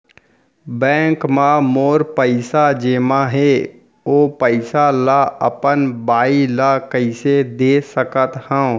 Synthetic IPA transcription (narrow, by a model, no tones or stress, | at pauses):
bɛ̃ːŋkmãmoːɾpəɪsad͡ʒeːmãɦeː | oːpəɪsalaə̰pənbaːilakəɪsed̪eːsəkət̪hɛ̃